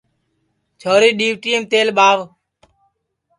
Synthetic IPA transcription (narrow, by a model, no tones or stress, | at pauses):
t͡ʃʰoːɾiːɗiːʋʈiːəmt̪eːlɓaːʋ